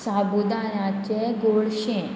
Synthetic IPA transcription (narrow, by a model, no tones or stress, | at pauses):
sabud̪aɾat͡ɕeɡoɭɕẽ